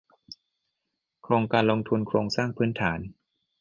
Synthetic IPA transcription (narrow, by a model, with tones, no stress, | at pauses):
kʰɾoː˧ŋkaː˧nlo˧ŋt̪ʰu˧nkʰɾoː˧ŋsaː˥˩ŋpʰɯː˦˥nt̪ʰaː˩˦n